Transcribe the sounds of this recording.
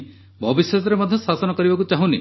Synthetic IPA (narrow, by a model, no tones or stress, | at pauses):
bʱɔbiswesɔɾemɔd̪ʱjɔsasɔnɔkɔɾibakut͡ʃaɦũnḭ